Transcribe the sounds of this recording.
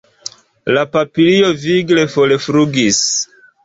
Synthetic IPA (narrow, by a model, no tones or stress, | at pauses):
lapapilio̞viɡle̞folefɾuɡis